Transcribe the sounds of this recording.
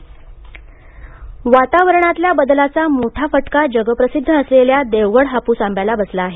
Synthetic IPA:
ʋat̪aʋəɾɳat̪ljabəd̪lat͡samoʈʰafəʈkad͡ʑəɡəpɾəsid̪ʱːəəsleljad̪eʋɡəɽɦapuːsãmbjalabəslaːɦe

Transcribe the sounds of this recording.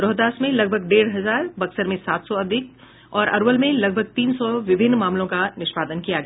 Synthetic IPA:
ɾɔɦd̪aːsmẽlɐɡ̚bʱəɡɖeːɽɦɐzaːɾbɐksəɾmẽsaːt̪sɔɐd̪ʱɪk | ɔːɾɐ̰ɾʋəlmẽlɐɡ̚bʱəɡ̚t̪iːnsɔʋɪbʱɪnːmaːmlõkanɪʃpaːd̪ənkijaɡɐa

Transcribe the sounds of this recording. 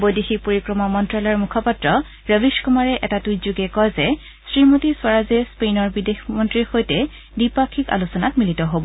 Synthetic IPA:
bojdixipoɹikɹɔmɔmɔntɹalɛɹmukʰɔpatɹɔ | ɹəbiskumaɹɛʔɛtatujzuɡɛkɔjzɛ | sɹimotiswaɹazɛspejnɔɹbidexmɔntɹixojtɛ | dipakʰika̰lusɔnatmilitɔɦobɔ

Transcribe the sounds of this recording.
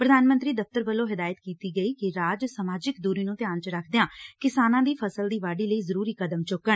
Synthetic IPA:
pɾəd̪ʱaːnmə̃nt̪ɾiːd̪əp̚ʰt̪əɾbəlːõːɦɪd̪aːjət̪kiːt̪iːɡəiːkɪɾaːd͡ʒsəmaːd͡ʒɪkd̪uːɾiːnũːt̪ɪjaːnt͡ʃɾəkʰd̪eãːkɪsaːnãːd̪iːpʰəsəld̪iːʋaːɖiːləiːzəɾuːɾiːkəd̪əmt͡ʃʊkːəɳ

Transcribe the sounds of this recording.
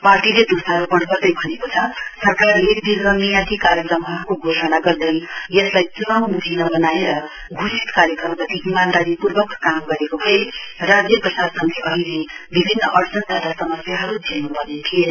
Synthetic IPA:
parʈiled̪usaɾopʌɽpʌrd̪ʌjbʱʌnekot͡sʰʌsʌrkarled̪ilɡʌnijãt̪ʰikaɾjʌkrʌmɦʌɾukoɡʱosʌnaɡʌrd̪ʌjjʌslajt̪umammud̪ʱinʌbʌnaeɾʌ | ɡʱusit̪kaɾjʌkrʌmɡʌt̪iɦimand̪aɾipurbʌkkamɡʌɾekobʰʱʌerad͡zjʌprʌsadsʌnt̪ʰeʌɦilebibʱinːʌʔʌrd͡zʌnd̪ʱad̪asʌmʌsjaɦʌɾud͡zʱenubʌnet̪ʰie

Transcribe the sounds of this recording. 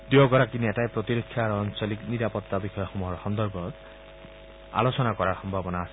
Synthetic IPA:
d̪iɔɡɔɾakineʈajpɾɔt̪iɾɔkʰːjaɾɔɔnt͡ʃɔlikniɾapɔt̪ːabixɔjɔxumuɦɔɾxɔnd̪ɔɾɡɔt | a̰losɔnakɔɾaɾxɔmbʱabɔnaːsi

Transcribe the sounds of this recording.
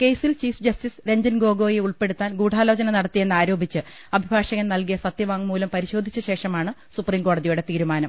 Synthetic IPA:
ke̞jsilt͡ɕiːfd͡ʑɐstisɾe̞ɲd͡ʑɐnɡo̞ːɡo̞ːjeuɭpe̞ɽut̪ːaːnɡuːʈʰaːlo̞ːt͡ɕɐnɐnɐɽɐt̪ːije̞nːaːɾo̞ːbʱit͡ɕːɨ | ɐbʱibʱaːʂɐɣɐnnɐlkijɐsɐt̪jɐʋaːŋmuːlɐmpɐɾiɕo̞ːd̪ʱit͡ɕːɐɕe̞ːʂɐmaːɳɨsupriːmko̞ːɽɐðijuɽe̞t̪iːɾumaːnɐm

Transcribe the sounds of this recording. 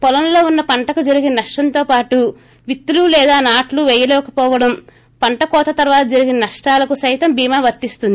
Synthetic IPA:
pɔlɐnlo̞ːunːɐpɐɳʈɐkud͡ʒɐɾiɡinɐnɐʂʈɐnt̪o̞ːpaːʈu | ʋit̪ːululɛːd̪aːnaːʈluʋɛjɐlɛːkɐpɔːʋɐɽɐm | pɐɳʈɐkɔːt̪ɐt̪ɐɾʋaːt̪ɐd͡ʒɐɾiɡinɐnɐʂʈaːlɐkusɐjt̪ɐmbiːmaːʋɐɾt̪ist̪und̪i

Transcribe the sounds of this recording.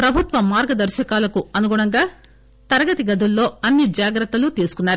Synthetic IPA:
pɾɐbʱut̪ʋɐmaːɾɡɐd̪ɐɾʃɐkaːlɐkuɐnuɡuɽɐŋɡaː | t̪ɐɾɐɡɐt̪iɡɐd̪ʱulːo̞ːɐnːid͡ʒaːɡɾɐt̪ːɐlut̪iːsu̥kunːaːɾu

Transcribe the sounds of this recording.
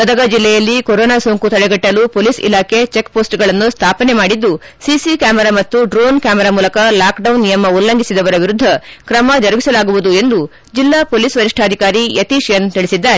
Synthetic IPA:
bɐd̪ɐɡɐd͡ʒilːɛjɐlːikoɾoːnaːsoːŋkut̪ɐɭɛɡɐʈːɐlupoːlisḭlaːkʰet͡ʃekːpoːsʈɡɐɭɐnːust̪ʰaːpɐnemaːɽid̪ːu | sisikaːmɛɾaːmɐt̪ːuɖɾoːnkaːmɛɾaːmuːlɐkɐlaːkɖɐwnːijɐmɐulːɐŋɡisid̪ɐʋɐɾɐʋiɾud̪ʱːɐkɾɐmɐd͡ʒɐɾɐbisɐlaːɡuʋud̪ue̞nd̪u | d͡ʒilːaːpoːlisʋɐɾiʂʈʰaːd̪ʱikaːɾijɐt̪iʃjɐnt̪iɭisid̪ːaːɾe

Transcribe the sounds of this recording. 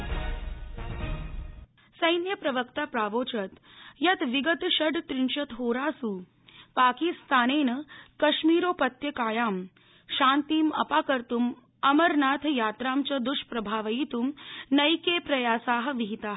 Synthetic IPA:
sɐjnjɐpɾɐʋəkt̪apɾaːʋoːt͡ʃɐt̪jɐt̪ʋiɡət̪ɕɐɖt̪ɾinʃɐt̪ɦoːɾaːsuː | paːkist̪aːneːnɐkɐɕmiːɾoːpɐt̪jɐkaːjaːm | ʃãːnt̪iːmɐ̰paːkɐɾt̪um | ɐmɐɾnaːt̪ʰjaːt̪ɾaːmt͡ɕɐd̪uʂpɾɐbʱaːʋɐit̪uːmnɐjkepɾɐjaːsaːɦə̆ʋiɦit̪aːɦ

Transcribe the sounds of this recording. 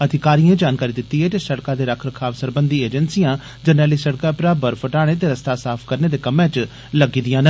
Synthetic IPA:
əd̪ʱɪkaːɾijãːd͡ʒaːnkaːɾiːd̪ɪt̪ːiːɦɛːt̪esəɽkãːd̪eːɾəkʰɾəkʰaːʋsəɾbənd̪iːeːd͡ʒənsijãː | d͡ʒənɛːliːsəɽkaːpɾaːbəɾpʰəʈaːɽ̃eːt̪̬eːɾəst̪aːsaːpʰkəɾneːd̪eːkəmːãːt͡ʃ | ləɡiːd̪ɪjãːnə

